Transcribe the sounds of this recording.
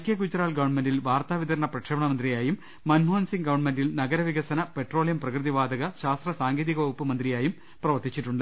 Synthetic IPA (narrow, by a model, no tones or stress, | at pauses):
ɐkjek̬ut͡ɕːɐɾaːɭɡɐʋɐɳmendilʋaːrt̪aːʋid̪ɐɾɐɳɐprɐkʂɐːmɐɳɐmɐnd̪rijaːjumː | ɐnmaːnsiŋɡɐʋɐɳmendilnɐɡɐɾɐʋiɣɐsɐnɐpe̞ʈro̞ːɭjɐmprɐkrɨðiʋaːd̪ɐɣɐɕaːst̪rɐsaːŋɡeːðiɣɐopːɨmɐnd̪rijaːjum | prɐʋɐrt̪it͡ɕːiʈːuɳɖɨ